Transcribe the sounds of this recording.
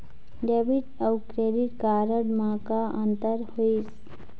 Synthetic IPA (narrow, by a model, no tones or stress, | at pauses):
ɖebiʈəwkɾeɖiʈkaɾəɽmãkaʔə̃nt̪əɾhois